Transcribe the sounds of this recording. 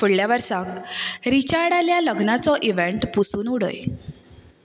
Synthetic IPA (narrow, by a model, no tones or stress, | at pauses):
fuɽljaʋəɾsakɾit͡ɕaɽaljaləɡnat͡sɔʔiʋeɳʈpusuːnuɽə̰j